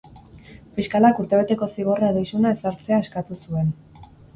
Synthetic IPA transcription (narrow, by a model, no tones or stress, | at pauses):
fiskalakuɾt̪e̞β̞e̞t̪e̞ko̞siɣ̞o̞raðejsunae̞saɾt͡se̞ae̞skat̪usue̞n